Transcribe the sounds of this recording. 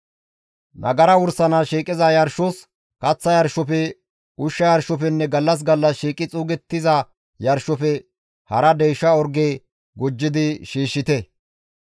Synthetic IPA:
nɐɡɐɾɐwʊɾsɐnɐʃiːkʼːɪzɐjɐɾʃɔs | kɐt͡sːɐjɐɾʃɔpɛ | ʊʃːɐjɐɾʃɔf̬ɛnːɛɡɐlːɐs̬ɡɐlːɐsʃiːkʼɪt͡sʼuːɡɛt̪ːɪzɐ | jɐɾʃɔfɛ | hɐɾɐd̪ɛjʃːɐɔɾɡeː | ɡɔd͡ʒːɪd̪ɪʃiːʃːɪt̪ɛ

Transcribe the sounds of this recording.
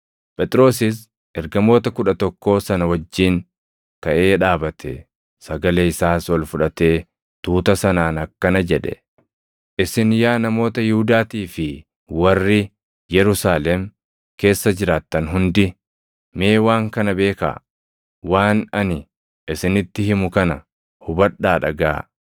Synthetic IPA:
pʼɛt̪ʼɪɾo̞ːs̬ɪs | ɛɾɡɐmo̞ːt̪ɐkʊᶑɐt̪ɔkːo̞ːsɐnɐwɐd͡ʒːiːn | k̪ɐʔe̞ːᶑaːbɐt̪ʰɛ | sɐɡɐleːɪsaːswɐlfʊᶑɐt̪e̞ː | t̪uːt̪ɐsɐnaːnɐkːɐnɐd͡ʒɛᶑɛ̰ | ʔɪsɪnjaːnɐmo̞ːt̪ɐjɪhʊd̪aːt̪iːfɪ | wɐrːɪ | jɛɾʊsaːlɛm | ke̞ːsːɐd͡ʒɪɾaːt̪ːɐnɦʊnd̪ɪ | me̞ːwaːŋkɐnɐbe̞ːka̰ | waːnɐnɪ | ʔɪsɪnɪt̪ːɪhɪmʊkɐnɐ | hʊbɐᶑaːᶑɐɡaː

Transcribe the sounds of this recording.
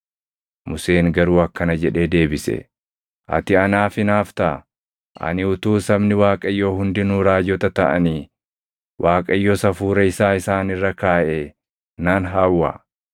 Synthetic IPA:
mʊse̞ːŋɡɐɾuːɐkːɐnɐd͡ʒɛᶑe̞ːd̪e̞ːbɪsɛ̰ | ʔɐ̰t̪ɪɐnaːfɪnaːft̪ɐʔ | ʔɐ̰nɪʊt̪uːsɐbnɪwaːkʼɐjːoːɦʊnd̪ɪnuːɾaːd͡ʒɔt̪ɐt̪ɐʔɐniː | wʔaːkʼɐjːɔsɐfuːɾɐɪsaːɪsaːnɪrːɐkaːʔe | naːnɦaːwːa̰ː

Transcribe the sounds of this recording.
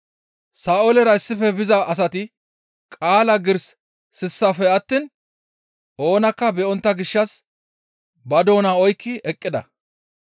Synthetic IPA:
saːʔolɛɾɐɪsːɪfɛbɪzɐʔɐs̬ɐt̪ɪ | kʼaːlɐɡɪɾs | sɪsːɐfɛɐt̪ːiːn | ʔo̞ːnɐkːɐbɛɔnt̪ːɐɡɪʃːɐs | bɐd̪o̞ːnaːɔjkːɪɛkʼːɪd̪ɐ̰

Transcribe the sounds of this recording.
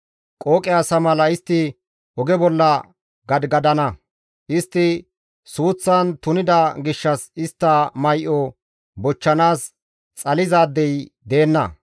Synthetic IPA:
kʼoːkʼɪasɐmɐlɐɪst̪ːɪ | ɔɡɛbɔlːɐ | ɡɐd̪ɡɐd̪ɐnɐ | ʔɪst̪ːɪ | suːt͡sːɐnt̪ʊnɪd̪ɐɡɪʃːɐsɪst̪ːɐmɐjʔɔ | bɔt͡ʃːɐnaːs | t͡sʼɐlɪzaːd̪ːɛj | d̪e̞ːnːɐ̰

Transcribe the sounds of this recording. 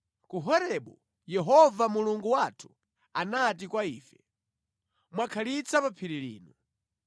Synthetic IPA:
kuɦɔɾɛɓu | jɛɦɔvamuluŋɡuwatʰu̥ | anatikwaiːfɛ | mwakʰalit͡sʰapapʰiɾilḭːnu

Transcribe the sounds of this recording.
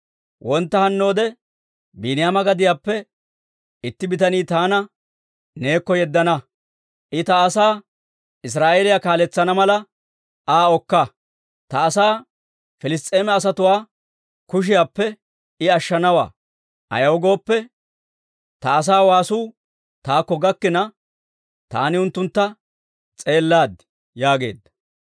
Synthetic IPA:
wʔɔnt̪ːɐhɐnːo̞ːd̪ɛ | biːnɪjamɐɡɐd̪ɪjaːpːɛ | ɪt̪ːɪbɪt̪ɐniːt̪aːnɐ | ne̞ːkːɔjɛd̪ːɐnɐ | ʔɪt̪ɐːsaː | ɪs̬ɾaːʔeːlɪjakaːlɛt͡sːɐnɐmɐlɐ | aːɔkːɐ | t̪ɐːsaː | fɛlɪs̬t̪ʼeːmɛɐs̬ɐt̪ʊwaː | kʊʃ̬ɪjaːpːɛ | ɪɐʃːɐnɐwa̰ː | ʔɐ̰jɐwɔɡo̞ːpːɛ | t̪ɐːs̬aːwaːsuː | t̪aːkːɔɡɐkːɪnɐ | t̪a̰ːnɪʊnt̪ːʊnt̪ːɐ | t͡sʼe̞ːlːaːd̪ | jaːɡe̞̰ːd̪ːɐ

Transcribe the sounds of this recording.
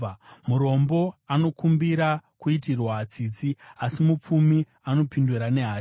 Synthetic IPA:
muɾo̞mbo̞ano̞kumbiɾakuitirwat͡siːd͡ziasimup͡fumi | ano̞pinduɾane̞ɦaː

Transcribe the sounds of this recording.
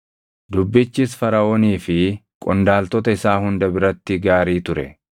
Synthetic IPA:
d̪ʊbːɪt͡ʃːiːsfɐɾɐoːniːfɪ | kʼɔnd̪aːlt̪ɔt̪ɐɪsaːhʊnd̪ɐbɪɾɐt̪ːɪɡaːɾiːt̪ʊɾɛ

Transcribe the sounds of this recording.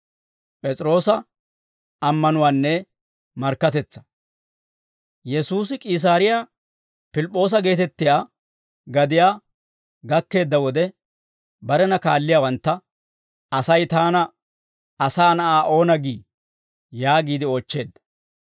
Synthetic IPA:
pʼɛt͡sʼɾo̞ːsɐ | ɐmːɐnʊwaːnːɛ | mɐɾkːɐt̪ɛt͡sːɐ̥ | jɛsuːs̬ɪkʼiːs̬aːɾɪja | pɪlɪpʼːo̞ːs̬ɐɡe̞ːt̪ɛt̪ːɪjaː | ɡɐd̪ɪjaː | ɡɐkːe̞ːd̪ːɐwɔd̪ɛ | bɐɾɛnɐkaːlːɪjaːwɐnt̪ːɐ | ɐsɐjt̪aːnɐ | ɐsaːnɐʔaːʔo̞ːnɐɡḭː | jaːɡiːd̪ɪoːt͡ʃːe̞ːd̪ːɐ

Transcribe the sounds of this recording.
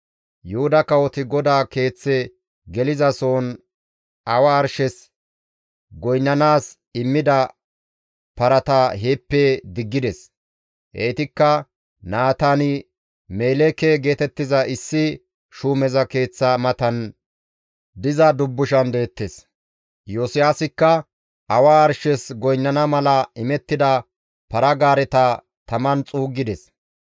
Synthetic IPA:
jʊhʊd̪ɐkɐwɔt̪ɪɡɔd̪aːke̞ːt͡sːɛ | ɡɛlɪzɐso̞ːn | ɐwɐːɾʃɛs | ɡɔjnːɐnaːs | ɪmːɪd̪ɐ | pɐɾɐt̪aɦeːpːɛd̪ɪɡːɪd̪ɛs | ʔeːt̪ɪkːɐ | naːt̪anɪ | meːlɛkɛɡe̞ːt̪ɛt̪ːɪzɐʔɪsːɪ | ʃuːmɛzɐke̞ːt͡sːɐmɐt̪ɐn | d̪ɪzɐd̪ʊbːʊʃɐnd̪eːt̪ːes | joːsɪjaːsɪkːɐ | ɐwaːɾʃɛsɡɔjnːɐnɐmɐlɐɪmɛt̪ːɪd̪ɐ | pɐɾɐɡaːɾɛt̪ɐ | t̪ɐmɐnt͡sʼuːɡːɪd̪ɛs

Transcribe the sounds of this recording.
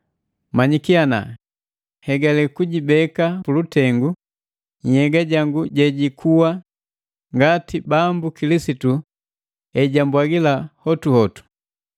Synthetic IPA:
maɲikiana̰ | hɛɡalɛkuɟibɛkapulutɛŋɡu | ɲ̩hɛɡaɟaŋɡuɟɛɟikʰuwa | ŋɡatibambukilisitu | ɛɟambwaɡilahɔtuhɔtu̥

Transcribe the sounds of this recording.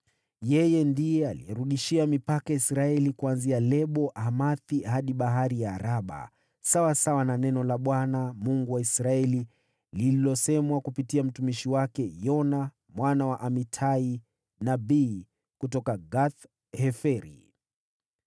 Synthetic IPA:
jɛjɛndijɛalḭjɛɾuɗiʃiamipakaisɾaɛlikuanzialɛɓɔʔamaθihaɗiɓaɦaɾijaːɾaɓa̰ | sawasawananɛnɔlaɓwanamuŋɡuwaisɾaɛli | lililɔsɛmwakupitiam̩tumiʃiwakɛjɔna | mwanawaʔamitʰai | nabiː | kutɔkaɡaθ | hɛfɛɾḭ

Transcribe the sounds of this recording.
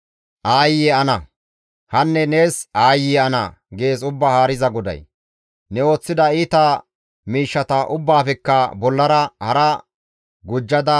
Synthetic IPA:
ʔaːjːɛɐnɐ | hɐnːɛne̞ːsaːjːɪɐnɐ̰ | ɡe̞ːsʊbːahaːɾɪzɐɡɔd̪ɐ̰j | nɛo̞ːt͡sːɪd̪ɐiːt̪ɐ | miːʃːɐt̪ɐʔʊbːaːfɛkːɐbɔlːɐɾɐhɐɾɐ | ɡʊd͡ʒːɐd̪ɐ

